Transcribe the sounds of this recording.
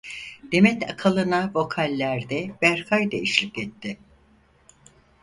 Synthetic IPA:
d̪̥e̞mɛt̪ʰa̰kʰalˠɯnavo̞kʰalʲːæɾd̪ɛbæɾkʰajd̪eiʃlʲikɛt̪ːɪ

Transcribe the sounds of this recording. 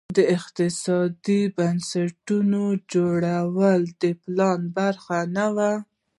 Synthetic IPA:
d̪əɪq̚t̪ɪsɑd̪ibansaʈunod͡ʒoɽawəld̪əplɑnbaɾxanawa

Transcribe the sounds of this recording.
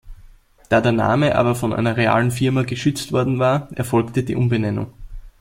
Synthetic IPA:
d̥aːdeːɐna̰ːməʔa̰ːbɐfɔnʔæ̰ɪnɐʁea̰ːlənfɪɐmaɡəʃʏt͡stv̥ɔɐdn̩vaːɐʔɛɐfɔlktədiːʔʊmbənɛnʊ̰ŋ

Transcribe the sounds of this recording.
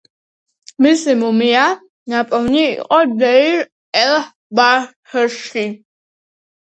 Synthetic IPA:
misimumia | napʼɔwniḭqʼɔdɛiɾ | ɛl | ba | həʃi

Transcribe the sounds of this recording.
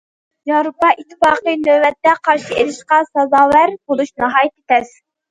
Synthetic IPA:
jɑɾupɑʔit̪ʰːɪfɑːqənøvɛt̪ːɛqʰɑɾʃielɪʃqɑsɑzɑːwæɾbolˠuʃnɑɦɑːjit̪e̥t̪ɛz̥

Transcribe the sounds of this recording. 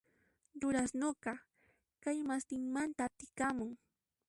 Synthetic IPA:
ʎʊɾasnoɢɑ | kajmast̪ɪŋmant̪at̪ɪkamʊŋ

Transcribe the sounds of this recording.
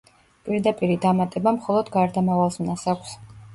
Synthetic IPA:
pʼiɾd̪apʼiɾid̪amat̪ʼɛbamχɔlˠɔd̪ɡaɾd̪amavalˠsmnasakʷʰs

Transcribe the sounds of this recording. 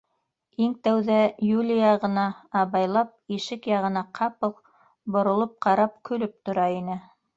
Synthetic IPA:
iŋt̪æwðæjulʲijɑʁɤ̆nɑːβɑjlˠɑp̚iʃɘkjɑʁɤ̆nɑqʰɑpɤq | bŏɾŏlˠop̚qɑɾɑp̚kʰɵ̆lɵp̚t̪ŏɾɑinɘ

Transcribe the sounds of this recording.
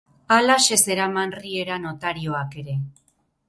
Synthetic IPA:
alaʃe̞se̞ɾamanrie̞ɾano̞t̪aɾio̞ake̞ɾe̞

